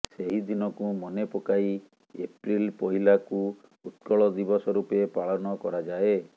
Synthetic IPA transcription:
seɦid̪inɔkumɔnepɔkai | epɾilpɔɦilaku | ut̪kɔɭɔd̪ibɔsɔɾupepaɭɔnɔkɔɾad͡ʒae

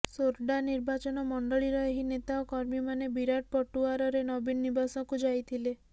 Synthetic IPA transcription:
soɾɖaniɾbat͡ʃɔnɔmɔɳɖɔɭiɾɔeɦinet̪aɔkɔɾmimanebiɾaʈ̚pɔʈuaɾɔɾenɔbinɔːibasɔkud͡ʒajt̪ʰile

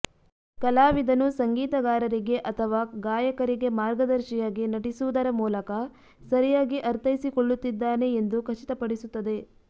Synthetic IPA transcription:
kɐlaːʋid̪ɐnusɐŋɡiːt̪ɐɡaːɾɐɾiɡe̞ʔɐt̪ʰɐʋaːɡaːjɐkɐɾiɡe̞maːɾɡɐd̪ɐɾʃijaɡenɐʈisuud̪ɐɾɐmuːlɐkɐ | sɐɾijaːɡiʔɐɾt̪ʰɐjisikoɭːut̪ːid̪ːaːne̞ːnd̪ukʰɐt͡ʃit̪ɐpɐɽisut̪ːɐd̪e̞

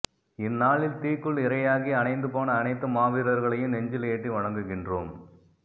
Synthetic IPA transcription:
ɪnːaːɭɪlt̪iːkːɯɭɪɾɐjaːɣiɐnɐɪnd̪ɯpaːnɐːnɐɪt̪ːɐmaːʋɪɾɐɾɣɐɭɐjɯmnɛɲd͡ʒɪleːʈːriʋɐɻɐŋɡɯɣɪndro̰ːm

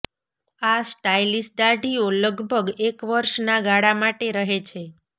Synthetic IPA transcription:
asʈailisʈ̚ɖaɖioləɡbʱəɡekʋəɾʃnaɡʱaɽamaʈeɾəɦet͡ʃʰe

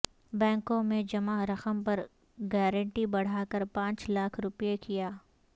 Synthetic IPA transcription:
bɛ̃ːŋkõmẽd͡ʒɐmaɾɐqəmpɐɾ | ɡɛːɾə̃ɳʈibɐɽ̤aːkɐɾpãːt͡ʃlaːkʰɾʊpjekijaː

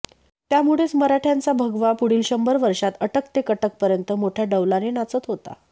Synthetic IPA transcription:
t̪jamuɭet͡sməɾaʈʰjant͡sabʱəɡʋapuɽiːlɕəmbəɾʋəɾʂat̪əʈəkt̪ekəʈək̚pəɾjənt̪əmoʈʰjaɖəʋlanenat͡sət̪ɦot̪a̰

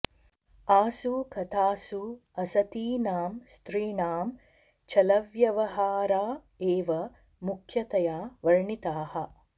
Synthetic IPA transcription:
aːsukɐt̪ʰaːsuɐsɐt̪iːnaːmst̪ɾiːnaːm | t͡ʃɐlɐʋjɐʋɐɦaːɾaː | eːʋɐ | mukʰjɐt̪ɐjaːʋɐɻɳit̪aːhɐ

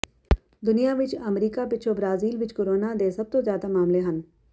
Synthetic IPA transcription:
d̪ʊnijaʋɪt͡ʃɐmɾiːkapɪt͡ʃʰobɾaːziːlʋɪt͡ʃkoɾoːnad̪eːsɐb̚t̪ozjaːd̪amaːmleɦən

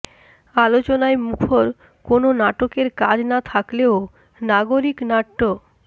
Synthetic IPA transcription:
alot͡ɕonaemukʰoɾ | kononaʈokeɾkad͡ʑnat̪ʰakleo | naɡoɾiknaʈːo

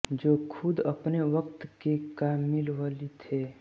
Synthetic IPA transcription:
d͡ʒoːkʰʊd̪ɐpneʋəq̚t̪kekaːmːɪlʋalit̪ʰeː

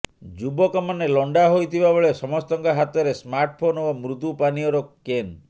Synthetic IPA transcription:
d͡ʒubɔkɔmanelɔɳɖaɦojt̪ʰibabeɭesɔmɔst̪ɔŋkaɦat̪ɔɾesmaɾʈɔpʰonobamɾut̪upaniɔɾɔken

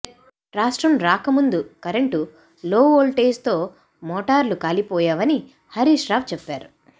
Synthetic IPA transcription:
ɾaːʂʈɾɐmɾaːkɐmund̪ukɐɾeɳʈu | loːoːlʈeːst̪o̞ː | mɔːʈaːɾlukaːlipɔːjaːʋɐni | hɐɾiːʂɾaːʋt͡ʃɛpːaːɾu

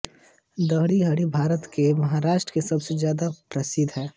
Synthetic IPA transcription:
d̪əɦɽiɦɐɽibʱaːɾət̪kemɐɦaɾaːʃʈɾəkesɐbsed͡ʒjaːd̪apɾɐsɪd̪ʱɦɛː

